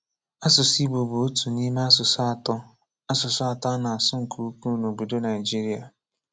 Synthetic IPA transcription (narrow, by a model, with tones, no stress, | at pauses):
a˦sʊ˨si˦bo˨bo˨o˦tu˨ni˦me˦a˦sʊ˨st | a˦sʊ˨sʊ˦a˨ta˦na˨a˨sʊ˦ŋ̩˨kʰu˦u˦ku˦no˨bu˨do˦na˨ɪ˨d͡ʒi˦ɾi˦a˨